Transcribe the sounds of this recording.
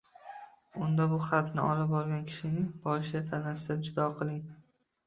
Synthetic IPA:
ʊnd̪abʊχat̪nɪʔɒlɪpɒɾɡʲankʲʰɪ̥ʃɪnɪŋbɒʃat̪ʰanasɪd̪ad͡ʒʊd̪ɒqʰɨlˠɪŋ

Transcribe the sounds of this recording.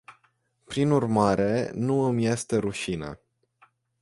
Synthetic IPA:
pɾinurmaɾe̞nuɨmje̞st̪e̞ɾuʃinə̰

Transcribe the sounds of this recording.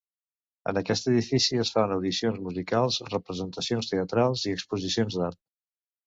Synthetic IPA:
ə̰nəkɛst̪əðifisiəsfanəwðisionzmuzikalˠzrəpɾəzənt̪əsionst̪eət̪ɾalˠziəkspuzisionzd̪aɾt̪̚

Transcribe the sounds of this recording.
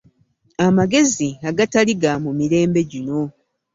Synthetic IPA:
amaɡe̞ziaɡataliɡamumiɾe̞ːmbe̞ɟino̞

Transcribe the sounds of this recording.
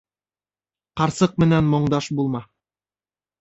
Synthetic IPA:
qɑɾsɤq̚mɘ̆nænmŏɴd̪ɑʃbulˠmɑ

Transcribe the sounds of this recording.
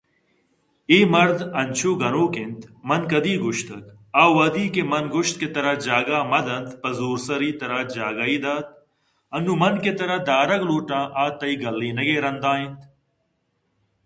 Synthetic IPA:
iːmɐɾd̪ɐnʲt͡ʃʰuːɡɐnoːkɪ̃nt̪mɐnkɐd̪iːɡʊʃt̪ɐk | aːwɐd̪iːkemɐnɡʊʃt̪̚ket̪ɐɾad͡ʒaːɡaːmɐd̪ɐnt̪pɐzuːɾsɐɾiːt̪ɐɾaːd͡ʒaːɡaiːd̪aːt̪̚ | ɐnːuːmɐnket̪ɐɾɐd̪aːɾɐɡluːʈãːʔaːt̪ɐiːɡɐlːiːnɐɡeːɾɐnd̪ãːĩnt̪

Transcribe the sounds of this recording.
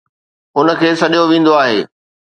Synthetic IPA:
ʊnə̆kʰeːsɐɗijoʋĩːn̆d̪oaːɦeː

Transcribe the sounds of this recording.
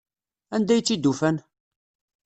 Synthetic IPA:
ænd̪æjt͡sːid̪ːufæn

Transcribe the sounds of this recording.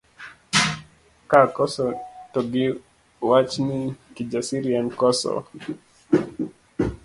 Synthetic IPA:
kakɔsɔtɔɡi | wat͡ʃnikid͡ʒasiɾiankɔsɔ̰

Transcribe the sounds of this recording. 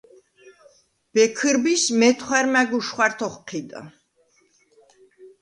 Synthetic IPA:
b̥ɛkʰɨɾbismɛt̪ʰχwaɾmæɡuʃχwaɾt̪ʰɔχqʰid̪a̰

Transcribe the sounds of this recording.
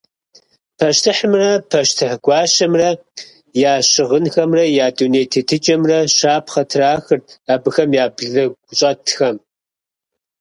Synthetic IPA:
pʰɐʃtʰɨħəmrɐpʰɐʃtʰɨħɡʷɑːʃɐmrɐ | jaːɕɨʁənxɐmrɐjaːduneːjtʰetʰɨt͡ʃʼɐmrɐʃaːpχɐtʰraːxɨrtaːbɨxɐmjaːbɮɐɡʷʊɕʼɐtʰxɐm

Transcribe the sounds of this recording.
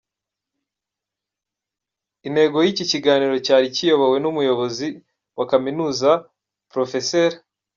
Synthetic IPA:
inhe̞ɡo̞jiciciɡaːniɾo̞caːɾicijo̞βowe̞numujo̞βo̞zi | wʔakaminuːza | pɾo̞fe̞seːɾ

